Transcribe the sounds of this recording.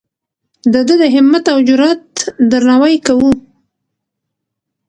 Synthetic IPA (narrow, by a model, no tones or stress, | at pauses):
d̪əd̪əd̪əɦɪmːat̪awd͡ʒʊɾɑt̪d̪əɾnawajkawu